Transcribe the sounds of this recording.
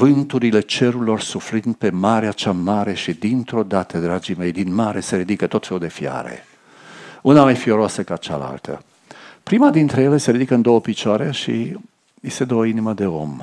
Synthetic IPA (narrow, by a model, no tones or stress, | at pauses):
vɨnt̪uɾile̞t͡ʃe̞ɾulo̞rsuflɨnd̪̚pe̞maɾeat͡ʃamaɾe̞ʃid̪int̪ɾo̞d̪at̪əd̪ɾad͡ʒime̞jd̪inmaɾe̞se̞ɾid̪ikət̪o̞t̪fe̞lud̪e̞fia̰ɾḛ | unamajfioɾoasəkat͡ʃa̰la̰lt̪ʰə̰ | pɾimad̪int̪ɾejele̞se̞ɾid̪ikəɨnd̪o̞wəpit͡ʃoaɾeʃḭ | jest̪ed̪oəiniməd̪e̞o̞̰m